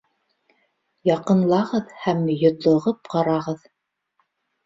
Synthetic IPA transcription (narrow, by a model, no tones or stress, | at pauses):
jɑqɤ̆nlˠɑʁɤðhæmjŏt̪lˠɤ̆ʁɤp̚qɑɾɑʁɤð